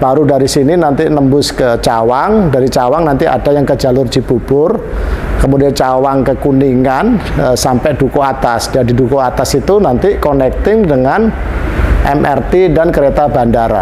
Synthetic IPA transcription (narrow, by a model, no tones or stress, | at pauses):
b̥aɾudaɾisininant̪inəmbʊskət͡ʃawaŋdaɾit͡ʃawaŋnant̪ia̰dajaŋkəd͡ʒa̤lʊrd͡ʒ̥i̤b̥ub̥ʊrkəmudiant͡ʃawaŋkəkuniŋanəsampɛʔd̥ukoat̪asd̥iadi̤dukoat̪asit̪unant̪ikɔnɛk̚t̪ɪŋdəŋan | ʔɛ̰mʔɛ̰rt̪idankəɾet̪abandaɾa̰